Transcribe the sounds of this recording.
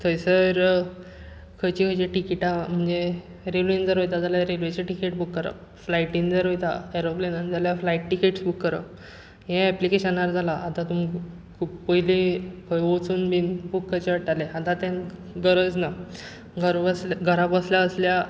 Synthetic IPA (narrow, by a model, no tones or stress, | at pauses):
t̪ʰəjsəɾ | kʰəjt͡ɕikʰəjt͡ɕiʈikiʈam̤əɳd͡ze | ɾeʋind͡zəɾɦojt̪ad͡zaljaɾelʋet͡ɕeʈikeʈ̚bukːəɾa̰ | flaiʈĩnd͡zəɾɦojt̪aeɾoplenanid͡zaljaflaiʈʈikeʈsbukːəɾə̰ | ɦɛ̃ɛplikeɕənaɾd͡zʱalaʔat̪ãt̪um | kʰuppəɦilekʰəjot͡suːnbinbukːəjt͡ɕeʋaʈaleat̪ãt̪ãn | ɡəɾəd͡zna | ɡʱəɾbəsɡʱəɾabəsljaəslja